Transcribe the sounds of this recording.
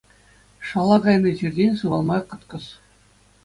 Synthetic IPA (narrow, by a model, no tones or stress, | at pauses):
ʂɑlˠɑɡɑjnɤ̆ʑirʲdʲenʲsɯʋɑlˠmɑqɤ̆t̪kɤ̆s